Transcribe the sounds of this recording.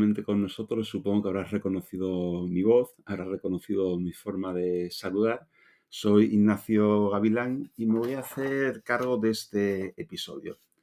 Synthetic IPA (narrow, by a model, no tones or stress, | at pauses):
mẽnt̪ekonnosot̪ɾosːupoŋokeaβɾarekonoθiðomiβ̞oθaβɾarekonoθiðomifoɾmaðesaluðaɾ | sojiɣnaθjoɣaβ̞ilaŋimeβojaθeɾkaɾɣ̞oðest̪eːpiso̰ðjo̰